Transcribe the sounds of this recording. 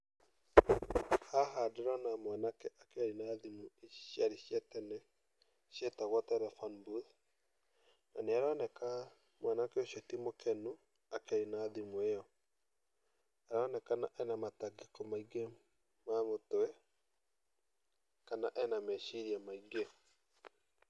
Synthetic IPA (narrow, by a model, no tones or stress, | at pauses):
haɦadeɾɔnamwanakɛʔakaɾinaðimuejaɾiʃjɛtɛnɛ | ʃjɛtaɣɔtɛɾɛfanbuð | na̰nɛaɾanɛka | mwanakɛoʃatimokɛnu | akaɾinaːðimuejɔ | aɾɔnɛkanaʔɛnamataɡekɔmaiɡe | mamotoɛ | kanaʔɛnamɛʃiɾjamaiɡe